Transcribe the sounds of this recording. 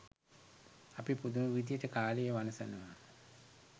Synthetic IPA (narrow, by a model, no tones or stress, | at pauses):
apipud̪uməʋid̪ijəʈəkaːləjəʋanəsənəʋa